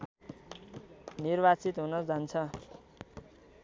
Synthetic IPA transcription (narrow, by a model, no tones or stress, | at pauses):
nirbat͡sit̪ɦunʌd͡zant͡sʰʌ